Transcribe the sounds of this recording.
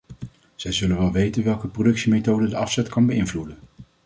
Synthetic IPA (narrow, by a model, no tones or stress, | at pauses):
z̥ɛjzɵlənʋɛlˠʋejtənʋɛlˠkəprodɵksimejtowdədəɑfsɛtkɑnbəɪnvludən